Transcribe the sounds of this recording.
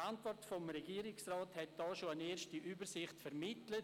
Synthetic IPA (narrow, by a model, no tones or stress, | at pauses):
antvɔrtfomɾeɡiːəɾɪksraːthɛt̚d̥ɑːʃoaneːɾʃtiʔyːbəɾsɪχtfɛɾmɪtlət